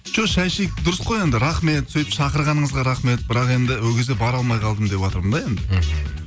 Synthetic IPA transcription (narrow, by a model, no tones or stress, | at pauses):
ʒ̥oʃæjʃek̚d̪ʊɾəsqoje̞nd̪ɪɾɑχme̞t̪sɵjpʃɑqəɾʁɑnəɴəzʁɑɾɑχme̞t̪̚bɪɾɑqe̞nd̪ɪwɵɡʲezebɑɾɑlˠmɑjqʰɑlˠd̪əmd̪e̞pwot̪əɾmənd̪ɑe̞nd̪ɪ